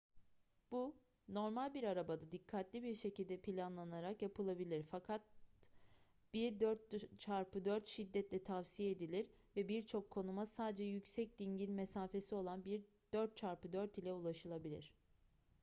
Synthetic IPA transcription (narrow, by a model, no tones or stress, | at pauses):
b̥u | no̞ɾmalʲbiɾaɾabad̪ad̪ikʰːat̪lʲibiɾʃe̞cilʲd̪ɛpʰilʲanlˠanaɾakjapɯlˠabilʲiɾfakʰat̪̚ | b̥iɾd̪øɾt̪t͡ʃʰaɾpɯd̪øɾt̪ʃid̪ːɛt̪lʲɛt̪ʰafsijɛed̪ilʲiɾ | vɛbiɾt͡ʃʰo̞kʰːo̞numasaːd̪ed͡ʒɛjycsɛc̚d̪iɲɟilʲmesaːfe̞sio̞lˠanbiɾ | d̪øɾt̪̚t͡ʃʰaɾpɯd̪øɾt̪ilʲɛulˠaʃɯlˠabilʲḭɾ̝̥